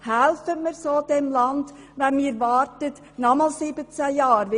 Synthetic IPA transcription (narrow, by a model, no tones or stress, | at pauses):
hælfəməɾsoːd̥ɛmlɑnd | ʋɛnmiːɾʋɑːrtət | nɔmɑlsɪbət͡sæjɑːɾʋ